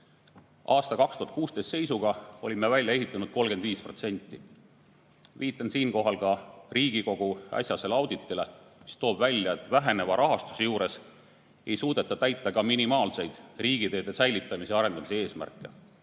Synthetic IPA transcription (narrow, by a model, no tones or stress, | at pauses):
ʔɑːst̪ɑkɑkst̪uhɑt̪̚kuːst̪e̞st̪se̞jsuɡ̥ɑo̞lʲimːevælʲjɑe̞ɦit̪ːˑɑnud̪̥̚ko̞lɡed̪viːspro̞t̪se̞nʲt̪ːˑi | viːt̪ːˑɑnsiːnko̞ɦɑlkɑriːɡ̥iko̞ɡ̥uɑ̰sʲjɑse̞lɑwd̪̥it̪ːˑile̞mist̪o̞ːb̥vælʲjɑe̞t̪ːˑvæɦe̞ne̞vɑɾʔɑɦɑst̪u̥sejuːɾe̞s | e̞jsuːd̪̥e̞t̪ːˑɑt̪æjt̪ˑːɑkɑminimɑːlse̞jd̪̥riːɡ̥id̪e̞ːd̪̥e̞sæjlit̪ˑːɑmiseɑɾe̞nd̪̥ɑmisee̞ːsmæ̰rkːˑe̞̰